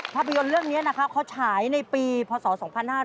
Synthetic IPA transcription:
pʰaː˥˩pʰa˧jo˧nɾɯ˥˩əŋni˦˥ɐna˦˥kʰa˦˥p̚kʰa˦˥wt͡ɕʰaː˩˦jna˧jpiː˧pʰɔː˧sɔː˩˦sɔː˩˦ŋpʰa˧nhaː˥˩

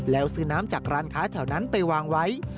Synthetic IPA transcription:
lɛː˦˥wsɯː˧naː˦˥mt͡ɕaː˨˩k̚ɾaː˧nkʰaː˦˥t̪ʰɛː˨˩˦wna˦˥npa˧jwaː˧ŋwa˦˥j

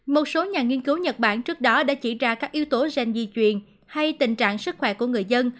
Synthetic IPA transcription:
mo˨˩t̚so˨˦ɲaː˨˩ŋi˧ənki˨˦wɲə˨˩t̚ɓa̰ː˧˩nt͡ɕɨ˦˥ək̚ɗɔ˨˦ɗa̰ː˧˥t͡ɕi˧˩zaː˧kaː˦˥k̚ʔi˨˦wt̪o˨˦za˨˩jŋ̟zḭ˨˩t͡ɕwi˨˩ən | ha˧jt̪ï˨˩ŋ̟t͡ɕa̰ː˧˨ŋsɨ˦˥k̚xwɛ˧˩ku˧˩əŋɨ˨˩əjzə˧n

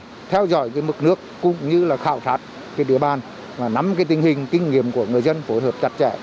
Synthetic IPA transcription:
t̪ʰɛ˧wzɔ̰˧˨jkaː˨˦jmɨ˨˩k̚nɨ˦˥əkːʊ̰˧˨ŋ͡mɲɨ˧laː˨˩xaː˧˩wt̪ʰaː˨˦˥t̚ | keː˨˧˦jɗḭ˧˩əɓaː˨˩n | vaː˨˩na˨˦mkaː˨˦jt̪ï˧˩ŋ̟hï˨˩ŋ̟kï˧ŋ̟ŋi˧˨əmku˧˩əŋɨ˨˩əjzə˧nfo˨˦jɦəː˨˩p̚t͡ɕa˦˥t̚t͡ɕɛ̰˧˩

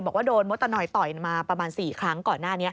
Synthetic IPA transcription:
mbɔː˨˩k̚waː˥˩doː˧nmo˦˥t̪ːa˧nɔː˧jt̪ɔ˨˩jmaː˧pɾa˧maː˧nsiː˨˩kʰɾa˦˥ŋkɔː˨˩nːaː˥˩ni˦˥ɐ

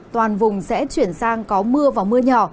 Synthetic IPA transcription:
t̪waː˨˩nvʊ˨˩ŋ͡msɛ̰˧˥t͡ɕwi˧˩ənsaː˧ŋkɔ˨˦mɨ˧əvaː˨˩wmɨ˧əɲɔ˧˩

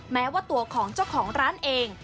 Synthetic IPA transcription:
mɛː˦˥waː˥˩t̪u˧ɐkʰɔː˩˦ŋt͡ɕa˥˩wkʰɔː˩˦ŋɾaː˦˥nʔeː˧ŋ

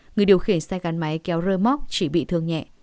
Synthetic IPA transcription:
ŋɨ˨˩əjɗi˨˩əwxi˧˩ənsaː˧jɣa˨˦nma˨˦jkɛ˨˦wzəː˧jmɔ˦˥k͡p̚t͡ɕi˧˩ɓḭ˧˨t̪ʰɨ˧əŋɲɛ̰˧˨ʔ

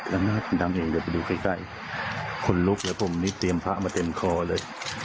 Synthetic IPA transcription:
ʔa˧mnaː˥˩t̪̚a˧˩nd̪aː˧mʔeː˨˩ŋde˧˩˦pa˧jduː˧˩kʰa˧˩jka˧˥˩j | kʰo˧nlu˦˥k̚lɛː˦˥pʰo˨˩˦mniː˦˥t̪i˧əmpʰa˦˥ʔmaː˧t̪e˧mkʰɔː˧lɤː˧j

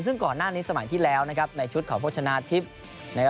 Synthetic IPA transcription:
ns̬ɯ˥˩ŋkɔː˨˩nːaː˥˩niː˦˥sa˧ma̰˨˩˦jt̪ʰiː˥˩lɛː˦˥wna˦˥kʰa˦˥p̚na˧jt͡ɕʰu˦˥t̪̚kʰɔː˩˦p̚ʰːt͡ɕʰa˧naː˦˥t̪ʰi˦˥p̚ | na˦˥k

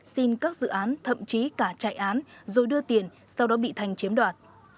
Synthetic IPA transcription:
si˧nkaː˦˥k̚zɨ̰˧˨ʔaː˨˦nt̪ʰə̰˧˨mt͡ɕi˨˦kaː˧˩t͡ɕa̰ː˧˨jʔaː˨˦nzo˨˩jɗɨ˧ət̪i˨˩ən | sa˧wɗɔ˨˦ɓḭ˧˨t̪ʰa˨˩jŋ̟t͡ɕi˨˦əmɗwaː˨˩t̚

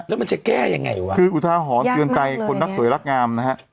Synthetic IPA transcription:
ne˦ma˨˩ŋsɛ˧˦kɛ˧˥jaː˨˩ŋa̰˨˩jwaː˧kʰɯ˧ʔuː˨˩t̪ʰaː˧wɦɔː˨˩˦nɨ˧əŋt͡ɕa˧jkʰo˧nːa˦˥su˨˩˦əjla˦˥k̚ŋaː˧mna˦˥ha˦˥

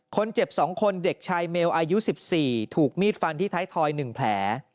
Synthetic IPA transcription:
kʰo˧nt͡ɕe˨˩p̚sɔː˩˦ŋkʰo˧nde˨˩k̚t͡ɕʰaː˧jmeː˧wʔaː˧ju˦˥si˨˩p̚siː˨˩t̪ʰuː˨˩k̚miː˥˩t̪̚fa˧nt̪ʰiː˥˩t̪ʰaː˦˥jt̪ʰɔː˧jnɯ˨˩ŋpʰlɛː˩˦

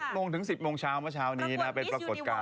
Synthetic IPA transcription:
moː˧ŋt̪ʰɯ˩˦ŋsi˨˩p̚moː˧ŋt͡ɕʰaː˦˥wmɯ˦˥ɐt͡ɕʰaː˦˥wniː˦˥na˦˥pe˧npɾa˧ko˨˩t̪̚kaː˧

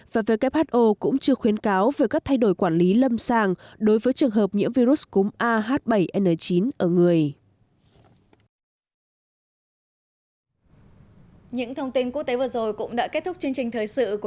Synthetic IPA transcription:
vaː˨˩vəː˨˦jka˦˥p̚haː˦˥t̚ʔo˧kʊ̰˧˥ŋ͡mt͡ɕɨ˧əxwi˨˦ənkaː˨˦wvəː˨˦kaː˦˥k̚t̪ʰa˧jɗo˧˩jkwaː˧˩nli˨˦lə˧msaː˧˩ŋɗo˨˦jvəː˨˦jt͡ɕɨ˨˩əŋɦəː˨˩p̚ɲɨ̰˧˥əmvi˧ɾu˦˥s̚kʊ˨˦ŋ͡mʔaː˧ɦaː˦˥t̚ɓə˧˩jʔɛ˧nəː˨˩t͡ɕi˨˦nʔəː˧˩ŋɨ˨˩əj | ɲɨ̰˧˥ŋt̪ʰə˧wŋ͡mt̪i˧nku˦˥k̚t̪e˨˦vɨ˨˩əzo˨˩jkʊ̰˧˥ŋ͡mɗa̰ː˧˥ke˦˥t̚t̪ʊ˦˥k͡p̚t͡ɕɨ˧əŋt͡ɕï˨˩ŋ̟t̪ʰəː˨˩jsɨ̰˧˨ku˧˩

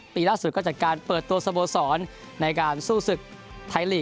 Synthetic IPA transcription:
piː˧laː˥˩su˨t̪̚kɔː˥˩t͡ɕaː˨˩kaː˧npɤː˨˩t̪ːu˧ɐsa˧boː˧sɔː˩˦nː | a˧jkaː˧nsuː˥˩sɯ˨˩k̚ | t̪ʰa˧jliː˨˩

